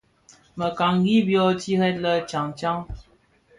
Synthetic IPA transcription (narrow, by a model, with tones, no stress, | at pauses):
mə˨ka˨ŋɡi˦bjɔ˦ti˦hɛ˦t̚lə˦t͡ʃa˨ŋt͡ʃa˦ŋ